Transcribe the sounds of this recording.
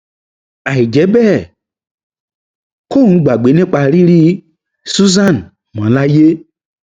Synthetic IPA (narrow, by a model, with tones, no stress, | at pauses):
a˨i˨d͡ʒɛ˨˦bɛ˦˨ | ko˦˨ũ˨˦ɡ͡ba˨ɡ͡be˨˦nẽ˦k͡pa˨ɾi˦ɾi˦ | su˦za˦˨n | mã˨˦la˦je˦